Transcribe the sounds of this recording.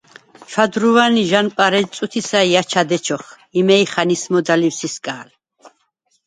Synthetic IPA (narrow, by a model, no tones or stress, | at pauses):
t͡ʃʰwad̪ɾuvaniʒanpʼaɾɛsʼut̪ʰisaiat͡ʃʰad̪ɛt͡ʃʰɔχ | imɛiχanismɔd̪aliwsiskʼaːl